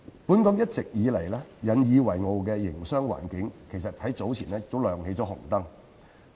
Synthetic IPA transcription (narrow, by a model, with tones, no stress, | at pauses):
puː˨˥nkɐ˨˥mjɐ˥t̚t͡sɪ˨k̚jiː˨˧lɐ˨˩jlɛː˥jɐ˨˧njiː˨˧wɐ˨˩jŋo˨˧wk̬ɛː˧jɪ˨˩ŋsœː˥ŋwa̰ː˨˩nkɪ˨˥ŋkʰe˨˩js̬ɐ˨t̚hɐ˨˥jt͡so˨˥wt͡sʰiː˨˩nɛː˥t͡so˨˥wlœː˨˩ŋhe˨˥jt͡sɔː˨˥hʊ˨˩ŋt̪ɐ˥ŋ